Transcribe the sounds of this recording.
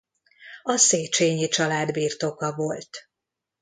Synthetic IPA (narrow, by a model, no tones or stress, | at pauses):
ɒseːt͡ʃeːɲit͡ʃɒlaːd̪biːrt̪o̞kɒvo̞lt̪